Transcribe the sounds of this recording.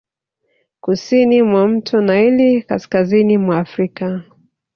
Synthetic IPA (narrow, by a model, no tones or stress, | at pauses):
kusinimwam̩tʰɔnailika̰skazinimwaːfɾika